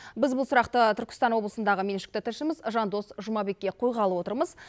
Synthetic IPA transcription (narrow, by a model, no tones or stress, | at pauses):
bɪzbʊlˠsʊɾɑqt̪ət̪ʰʏɾkʲɪ̥st̪ɑnwo̞blˠəsənd̪ɑʁəme̞nʃɪ̥k̚t̪ɪt̪ʰɪlʃɪmɪzʒɑnd̪o̞sʒʊmɑbe̞kʲːe̞qʰojʁɑlˠəwo̞t̪əɾməz